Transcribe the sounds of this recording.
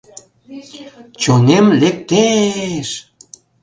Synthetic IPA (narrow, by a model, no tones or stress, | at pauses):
t͡ɕonemlek̚t̪eʃ